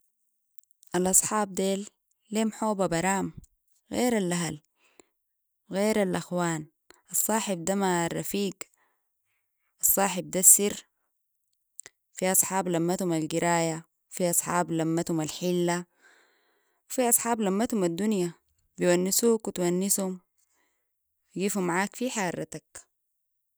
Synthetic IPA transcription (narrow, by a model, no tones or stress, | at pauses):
ʔalʔɑsˤħɑːb̚d̪eːlː | eːmħoːbabɑɾˤaːm | ɣḛːɾalʔaɦal | ɣeːɾalʔaxwaːn | ʔɑsˤːɑːħib̚d̪amarˤːɑfiːɡ | ʔɑsˤːɑːħib̚d̪asːiɾ | fiʔɑsˤħɑːblamːat̪humalɡiɾaːja | fiʔɑsˤħɑːblamːat̪humalħilːa | wfiʔɑsˤħɑːblamːat̪humad̪ːunja | bijwanːisuːkwit̪wanːishum | wɡiːfumːaʕaːkfiħɑːɾˤːɑt̪ak